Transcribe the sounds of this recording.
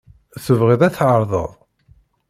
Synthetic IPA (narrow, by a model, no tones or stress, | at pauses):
θəvʁiðˤæθʕəɾˤðˤə̰ðˤ